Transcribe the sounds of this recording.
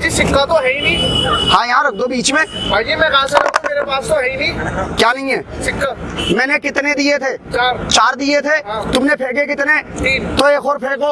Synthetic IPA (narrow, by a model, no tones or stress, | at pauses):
d͡ʒisɪkːat̪oɦɛĩnĩːhãːjɐɦãɾɐk̚ʰd̪obiːt͡ʃmẽbaːjemɛ̃ɣaːseɾɐ̃meːɾepaːst̪oɦɛinĩːkjaːnɐɦĩɦɛːsɪkːamɛ̃ːnekɪt̪ned̪iet̪ʰeːt͡ʃaːɾt͡ʃaːɾd̪iet̪ʰeɦt̪ʊmnepʰeːɡekɪt̪ned͡ʒit̪oeːkʰoːɾpʰeːɽɡoː